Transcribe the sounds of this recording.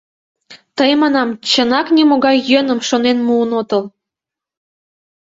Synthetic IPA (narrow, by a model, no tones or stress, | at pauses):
t̪əjmɑnɑmt͡ɕənɑknʲimoɣɑjːənə̆mʃonenmuːnot̪əl